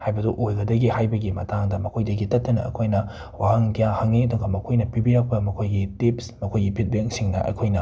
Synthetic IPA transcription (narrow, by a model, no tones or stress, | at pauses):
hajbɐduʔojɡɐdɐɡihajbɐɡimɐ̰taŋdɐmɐkʰojdɐɡitɐtːɐnɐ̰ɐ̰kʰojnɐ | wahɐŋkijahɐŋːiɐduŋɡɐmɐkʰojnɐpibijak̚pɐmɐkʰojɡitip̚smɐkʰojɡipʰit̚bjeŋsiŋnɐ̰ʔɐ̰kʰojnɐ